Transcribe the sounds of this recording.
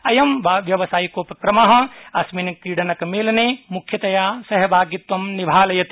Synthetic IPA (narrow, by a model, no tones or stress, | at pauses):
ɐjɐmbʋjɐʋɐsaːjikopɐkɾɐmaɦɐ̃ɐsminikɾiːɽɐnɐkmeːlnemukʰjɐt̪ɐjaːsɐɦɐbʱaːɡit̪ʋɐmnibʱaːlɐjɐt̪